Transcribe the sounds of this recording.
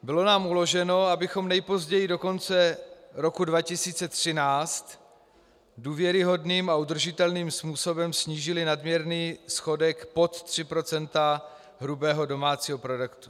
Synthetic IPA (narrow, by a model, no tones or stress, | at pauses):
bɪlo̞naːmulo̞ʒɛno̞abɪxo̞mnɛjpo̞zɟɛjɪdo̞ko̞nt͡sɛɾo̞kudvacɪsiːt͡sɛt̪r̝̥ɪnaːt͡st̪ | duːvjɛɾɪɦo̞dniːmaud̪r̩ʒɪt̪ɛlniːmspuːso̞bɛmsɲiːʒɪlɪnadmɲjɛɾniːsxo̞dɛkpo̞t̪t̪r̝̥ɪpɾo̞t͡sɛnt̪a | ɦɾubɛːɦo̞do̞maːt͡siːɦo̞pɾo̞dɛkt̪u̥